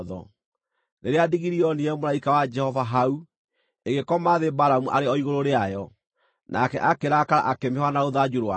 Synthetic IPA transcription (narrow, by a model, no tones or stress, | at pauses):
ðɔ̰ | neɾeadiɣiɾiɔniɛmolaikawad͡ʒɛhɔvaɦau | eɣekɔmaðebaɾamuʔaɾeɔiɣoɾoɾeajɔ | nʔa̰kɛ̰ʔakeɾakaɾa̰ʔakemeɦwanaoðad͡ʒuɾowa